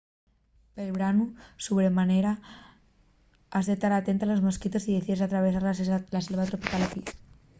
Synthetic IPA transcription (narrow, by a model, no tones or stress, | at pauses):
pelβɾanusuβɾemaneɾa | azðet̪aɾat̪e̞nt̪alo̞zmoskit̪o̞siðeθiðesat̪ɾaβesaɾlaselβat̪ɾopikalefis